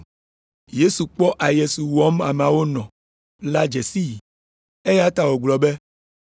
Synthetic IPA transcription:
je˦su˨k͡pɔ˦ʔa˨je˨su˨wɔ˦ma˨m˨ã˨wo˦nɔ̃˨ | la˦d͡ʒɛ˨si˦˨ | e˦ja˦t̪a˨wo˨ɡ͡blɔ˨be˦

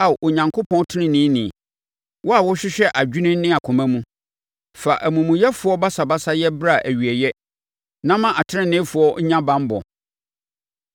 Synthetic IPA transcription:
a˨ʔo˨ɲã˨ŋkʰo˦pʰɔ̃˦tʰɪ˦nɪ̃˦nĩ˦nĩ˨ | wɔ˦a˨wʊ˦ɕᶣɪ˦ɕᶣɛ˦ʔa˨d͡ʑᶣu˦nɪ̃˦n˦nɪ̃˦a˨kʰʊ̃˨mæ̃˦mũ˦ | fa˨ʔæ˨mũ˨mũ˨jɛ˦fʊ˦ɔ˦ba˦sa˨ba˦sa˦jɛ˦bɾa˦˨ʔæ˨ɥi˨ɛ˨jɛ˦ | nã˦mã˦ʔa˨tʰɪ˦ɪ̃˦nɪ̃˦fʊ˨˦ɔ˦ɲã˦bã˦m˦bɔ̰˨

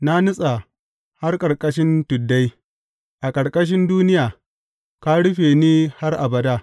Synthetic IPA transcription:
na˦nʊ˦sʼa˨ | ha˦rkʼɐ˨ɽkʼɐ˦ʃɪ˦ntʊ˨dːa˦j | ʔa˨kʼɐ˨ɽkʼɐ˦ʃ̬ɪ˦nduː˦nɪ˦jaː˨ | ka˦ɽʊ˦ɸeː˨niː˦ha˦rʔa̰˨bɐ˨daː˦

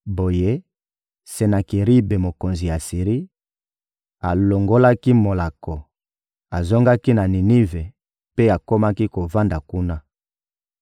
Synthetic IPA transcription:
bo˨je˦ | se˨na˨ki˨ʁi˦be˨mo˨ko˨nzi˨ja˨si˨ʁi˦ | a˨lo˨ŋɡo˦la˦ki˦mo˨la˨kɔ˨ | a˨zo˦ŋɡa˦ki˦na˨ni˨ni˦ve˨ | pe˦a˨ko˦ma˦ki˦ko˨va˦nda˨ku˦na˦

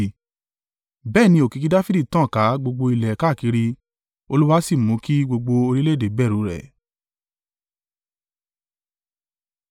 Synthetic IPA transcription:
bɛː˦˨nĩ˧o˨kĩ˨˧ki˦da˦fi˦di˦˨tã˦˨ka˨˦ɡ͡bo˧ɡ͡bo˧i˧lɛ˨ka˦˨ki˨˧ɾi˧ | o˧lu˦wa˦si˦˨mũ˨˦ki˦ɡ͡bo˧ɡ͡bo˧o˧ɾi˦le˦de˨bɛ˦˨ɾũ˨˦ɾɛ̰˨

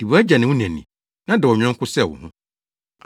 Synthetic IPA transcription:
d̥i˨bu˨˦æ˦d͡ʑa˨nɪ̃˨wʊ̃˦næ̃˨nḭ̃˨ | nã˦dɪ˨wɔ˨ɲᶣɛ̃˦ŋ̩˦kʰʊ˦sɛ˦˨wʊ̰˨hʊ̃˦

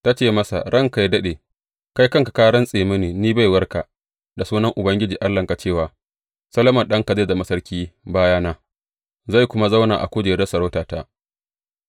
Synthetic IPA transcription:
ta˦t͡ʃeː˦˨mɐ˦sa̰˨ɽɐ˦˨ŋka˨jdɐ˦ɗeː˨ | ka˦jkɐ˦ŋkḁ˨kaː˦ɽɐ˦nsʼeː˨mɐ˦neː˨niː˦ba˦˨jwɐ˦rka˨ | da˨suː˦nɐ˦ŋʔʊ˨bɐ˦ŋɡʲɪ˦d͡ʒiː˨ʔa˦lːɐ˨ŋka˨t͡ʃeː˦˨waː˨ | sɐ˦lɐ˦mɐ˨nɗɐ˦ŋka˨zeː˦˨da˨mɐ˦sɐ˦rkʲiː˦baː˦jaː˦naː˦ | za˦˨jkʷʊ˦ma˦za˦wnaː˨ʔa̰˨kʷʊ˦d͡ʒeː˨dɐ˦sɐ˨ɾa˦taː˨ta˦ʔ

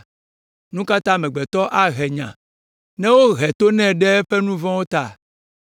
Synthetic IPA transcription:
nũ˦ka˦t̪ã˦mɛ̃˨ɡ͡bɛ˨t̪ɔ˦ʔa˦ɦɛ˨ɲã̰˨ | nɛ̃˦wo˦ɣɛ˨t̪o˦nɛ̃˨ɖɛ˦ɸɛ˦nũ˦vɔ̃˦wo˦t̪a˦˨

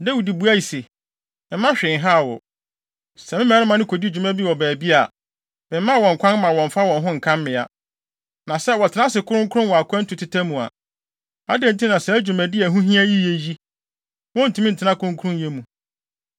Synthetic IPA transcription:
dæ˦wi˨di˨bu˨˦a˦ji˨se˨ | mɪ˨˦mːã˦ɕᶣɪ̃˨ŋ˦ɦa˦˨wɔ̰˨ | sɛ˨mɪ̃˦m̃ː˦˨˦nɪ̃˦mã˨nɪ̃˦kʰo˨di˦˨d͡ʑᶣu˨mæ̃˦bi˦wɔ˨bæː˨bi˦a˨ | mɪ̃˨mː˦ã˦˨wɔ̃˨ŋ˨kʷʰã˦n˦mã˨wɔ̃˨ɱ˨fa˦wɔ̃˨nɦʊ̃˦ŋ̩˨kʰã˦m˦mɪ̃˨a̰˨ | nã˨sɛ˦wɔ˨tʰɪ˨nã˦sɪ˨kʰʊ˦ɾʊ̃˦ŋ˦kʰʊ˦ʊ̃˦wɔ˨a˨kʰʷã˦n̩˦tʰũ˨tʰɪ˦tʰa˦mũ˨a̰˨ | a̰˦dɛ̃˦n̩˨tʰĩ˦nã˨sɛ˨æ˦d͡ʑᶣu˨mæ̃˨dɪ˦ɛ˨ɦũ˦ɦĩ˦æ˦ji˦je˨ji˦ | wɔ̃˦n̩˨tʰũ˨˦m̃˦n̩˨tʰɪ˨nã˦kʰʊ˦ʊ̃˦kʰu˦ʊ̃˦n˨je˦mũ˨

